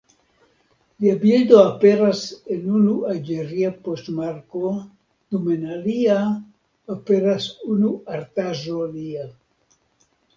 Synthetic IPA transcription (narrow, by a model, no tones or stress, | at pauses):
liabildo̞ape̞ɾase̞nunuald͡ʒeɾiapostmaɾko̞ | d̥umenalia | ape̞ɾasunuaɾt̪aʒoalia